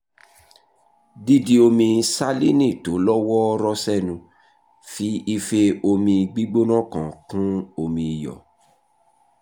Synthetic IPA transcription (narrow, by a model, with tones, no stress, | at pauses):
di˦di˦o˧mĩ˧sa˦li˦nĩ˦˨to˨˦lɔ˦wɔ˦ɔ˦ɾɔ˦sɛ˦˨nũ˧ | fi˨˦i˧fe˧o˧mĩ˧ɡ͡bi˦ɡ͡bo˦nã˦˨kã̰˨kũ˦o˧mĩ˧i˨jɔ̰˨